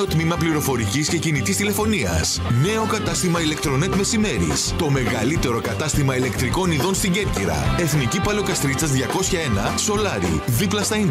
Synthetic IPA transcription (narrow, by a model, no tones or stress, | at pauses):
ot̪mimɐpliɾo̞fo̞ɾicisce̞cinit̪ist̪ile̞fo̞niɐ̰s | ne̞o̞kɐt̪ɐst̪imɐile̞kt̪ɾo̞net̪me̞sime̞ɾḭst̪o̞me̞ɣɐlit̪e̞ɾo̞kɐt̪ɐst̪imɐile̞kt̪ɾiko̞niðo̞nst̪iɲɟe̞ɾciɾɐ̰e̞θnicipɐlokɐst̪ɾit͡sɐzðʝɐko̞sçɐenɐ | so̞lɐɾḭðiplɐst̪ɐin